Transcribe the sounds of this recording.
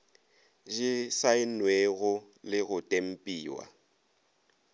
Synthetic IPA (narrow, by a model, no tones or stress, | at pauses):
ʒɪsaɪnweɣʊ | lɪɣʊtʼem̩pʼiːwa̰